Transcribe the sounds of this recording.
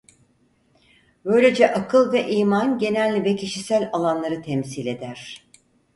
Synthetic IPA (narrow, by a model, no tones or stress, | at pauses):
bø̞jlʲe̞d͡ʒɛʔakʰɯlˠvɛʔiːmanɟe̞nælʲːivɛcʰiʃisælʲalˠanlˠaɾɯt̪ʰɛmsilʲe̞d̪æɾ̥